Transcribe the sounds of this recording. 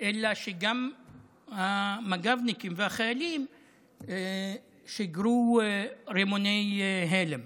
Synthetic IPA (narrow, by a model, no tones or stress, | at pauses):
ʔelaʃeɡam | hamaɡavnikimveaχajalim | ʃiɡɾu | ɾemonejɦelem